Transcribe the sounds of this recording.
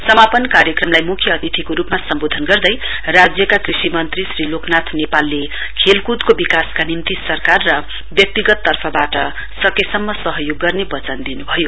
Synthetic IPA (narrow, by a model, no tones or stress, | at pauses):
sʌmapʌnkaɾjʌkrʌmlajmukʰjʌːt̪it̪ʰikoɾupmasʌmbod̪ʱʌnɡʌrd̪ʌj | rad͡zjʌkakrisimʌnt̪risriloknat̪ʰnepalːe | kʰelkud̪kobikaskanimt̪isʌrkarːʌ | bjʌk̚t̪iɡʌt̪ːʌrpʰʌbaʈʌ | sʌkesʌmːʌsʌɦʌjoɡːʌrnebʌt͡sʌnd̪inubʱʌjo